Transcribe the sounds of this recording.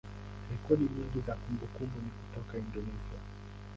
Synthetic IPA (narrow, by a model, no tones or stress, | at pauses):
hɛkɔɗiɲiŋɡizakumbukumbuniku̥tɔkaindɔnɛsia